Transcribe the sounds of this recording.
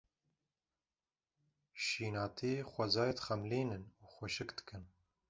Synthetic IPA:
ʃiːnɑːt̪ʰiːxʷɐzɑːjet̪xɛmliːnɨnuːxʷɛʃɨkd̪̥ɨ̥kʰɨn

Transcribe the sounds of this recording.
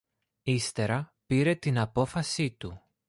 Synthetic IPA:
ist̪e̞ɾɐpiɾe̞t̪inɐpo̞fɐsit̪u

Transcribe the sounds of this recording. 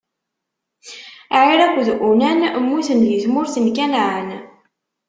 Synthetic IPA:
ʕiɾækʷːðʔunænmːuθənjəzmʊɾθənkænʕən

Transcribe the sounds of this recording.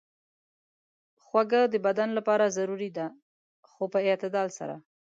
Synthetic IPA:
xwaɡad̪əbad̪anlapɑɾazaɾuɾid̪a | xopəɪt̪ɪd̪ɑlsa̰ɾa̰

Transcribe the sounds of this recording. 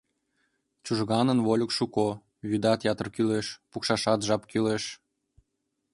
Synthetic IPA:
t͡ɕuʒɣɑnənβolʲəkʃuko | βyd̪ɑt̪jɑt̪ə̆rkyleʃpukʃɑʃɑt̪ʒɑpkyleʃ

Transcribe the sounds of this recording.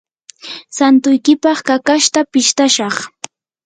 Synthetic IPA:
sant̪ʊjkɪpɑχkakaʃt̪apɪʃt̪aʃɑχ

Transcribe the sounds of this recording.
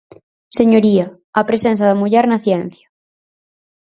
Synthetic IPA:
seɲoɾiɐː | pɾesensɐðɐmuʎɛɾnɐθjɛn̟θjɐ

